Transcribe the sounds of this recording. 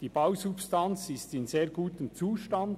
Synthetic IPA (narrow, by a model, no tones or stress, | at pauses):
d̥iːb̥awsupstant͡sɪstɪnzeːɡuːt̪əmt͡suːʃtand